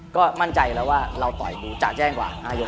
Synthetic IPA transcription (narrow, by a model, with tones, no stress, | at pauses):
kɔː˥˩ma˥˩nt͡ɕa˧jlɛ˦˥waː˥˩ɾa˧wt̪ɔ̰˨˩jduː˧t͡ɕaː˨˩k̚t͡ɕɛː˥˩ŋkwa̰ː˨˩naː˧˩jo˦˧˥